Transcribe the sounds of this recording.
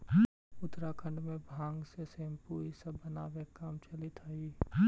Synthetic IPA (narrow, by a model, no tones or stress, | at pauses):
ʊt̪ɾakʰə̃ɳɖmẽbʱãːŋɡsesẽːmpuːisɐbːɐnaːʋeːkːaːmt͡ʃɐlit̪ʰaːiː